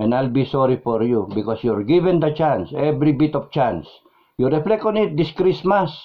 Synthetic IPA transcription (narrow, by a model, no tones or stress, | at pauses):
ʔɛ̃najlbisɔɾifɔɹjubɪkɔsjuɹɡivɛ̃nd̪at͡ʃãnsɛvɾibit̪ɔft͡ʃãns | juɾɛflɛkɔ̃nit̪̚d̪ɪskɾismas